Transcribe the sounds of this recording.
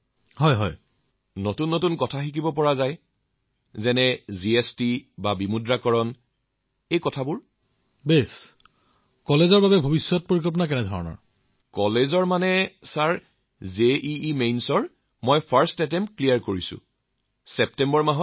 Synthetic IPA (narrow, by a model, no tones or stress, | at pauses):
hɔjɦɔ̰j | notunːotunkɔtʰaxikibɔpɔɹazaj | zɛnɛziestibabimudɹakɔɹɔn | ejkɔtʰabʊɹ | bes | kɔlezɔɹbabɛbʱobisːɔt̚poɹik̬ɔlp̬ɔnakɛnɛdʱɔɹɔnɔ̰ɹ | kɔlezɔɹmanɛsaɹ | zeʔiːmejnsɔɹ | mɔjpʰaɹstɛt̬ɛmpklijaɹkoɹisʊ̰̃ | sɛp̚tɛmbɔɹmaɦɔt